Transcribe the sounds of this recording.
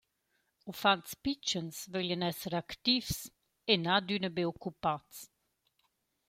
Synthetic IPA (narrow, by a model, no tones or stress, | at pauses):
ufantspit͡ʃənsvœljənɛsəɾakt̪ivs | enad̪ynəbeɔkːupats